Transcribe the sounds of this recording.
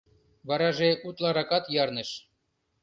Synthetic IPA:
βɑɾɑʒeut̪lˠɑɾɑkɑt̪jɑrnɤ̆ʃ

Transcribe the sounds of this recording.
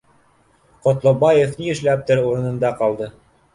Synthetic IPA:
qŏt̪lˠobɑjefniɘ̆ʃlæp̚t̪ɘɾuɾɤ̆nɤ̆nd̪ɑqɑlˠd̪ɤ

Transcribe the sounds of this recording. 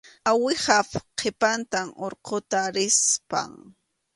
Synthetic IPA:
awɪhapqʰepant̪amoɾqʰot̪aɾɪspa̰ŋ

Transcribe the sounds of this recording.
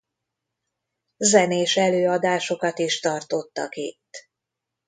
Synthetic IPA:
zɛneːʃɛløːɒd̪aːʃo̞kɒt̪iʃt̪ɒrt̪o̞t̪ːɒ̰kḭt̪ː

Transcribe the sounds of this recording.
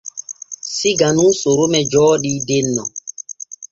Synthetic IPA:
siɡanuːsoɾomɛd͡ʒɔːɗidenːɔ

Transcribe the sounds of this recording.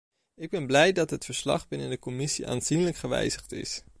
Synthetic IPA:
ɪɡ̚bɛnblɛjdɑtɦətfəɹslɑ̰χbɪnəndəkomɪsiʔa̰ːnz̥inələkχəʋɛ̰jzəχtɪ̰s

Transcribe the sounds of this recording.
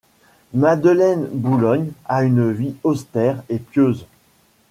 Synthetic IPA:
mad̪əlɛnbulɔɲaynviɔst̪ɛʁepjøːz

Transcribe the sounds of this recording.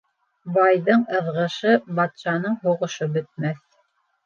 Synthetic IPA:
bɑjðɤɴɤ̆ðʁɤ̆ʃɤbɑt̪ʃɑnɤɴɦuʁɤ̆ʃɤbɵ̆t̪̚mæθ

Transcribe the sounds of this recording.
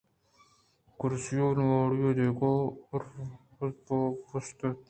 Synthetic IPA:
kʊɾsijoːnwoːɽjoːd̪eːkoːɾ | popust̪

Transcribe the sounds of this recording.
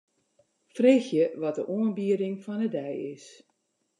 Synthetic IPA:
freːxjəʋɔt̚dəʔuənbiəɾɪŋfɔnədɛjɪs

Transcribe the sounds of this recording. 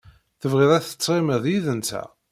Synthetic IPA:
θəvʁɪðˤæθə̥t͡sːɪməðˤjiðənt̪æ̰

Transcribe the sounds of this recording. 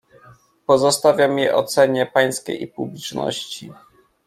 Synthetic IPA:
pɔzɔst̪avʲjamʲɛʔɔ̰t̪sɛɲɛpaj̃skʲḛjipublʲit͡ʂnɔ̰ɕt͡ɕi

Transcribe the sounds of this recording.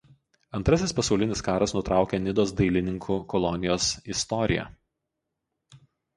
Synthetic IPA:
ɐnt̪ɾɐsʲɪspɐsɒʊlʲɪnʲɪskɑːɾɐsnʊt̪ɾʔɑˑʊkʲɛnʲɪd̪oːs̬d̪ɐɪlʲɪnʲɪŋkʰuːkɔlˠɔnʲɪjoːsɪst̪ɔɾʲɪjɛ̰

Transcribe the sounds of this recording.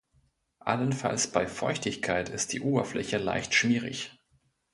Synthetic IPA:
ʔa̰lənfa̰lsb̥aɪfɔʏçtɪçkʰaɪtʰɪst̚d̥iːʔoːbɐflɛçəla̰ɪçtʃm̥iːʁɪ̰ç

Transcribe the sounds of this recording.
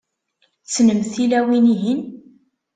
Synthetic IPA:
t͡sːnəmθilæwiniɦin

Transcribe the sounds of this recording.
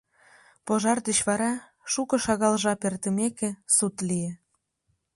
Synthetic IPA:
poʒɑrd̪ə̆t͡ɕβɑɾɑ | ʃukɤ̆ʃɑɣɑlʒɑpert̪ə̆mekesut̪lie

